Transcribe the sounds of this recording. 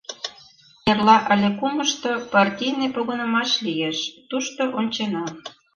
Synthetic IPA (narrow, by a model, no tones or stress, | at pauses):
nerlɑʔəlʲekuməʃt̪opɑrtʲijnepoɣŏnə̆mɑʃlijeʃt̪uʃt̪oʔonʲt͡ɕenɑ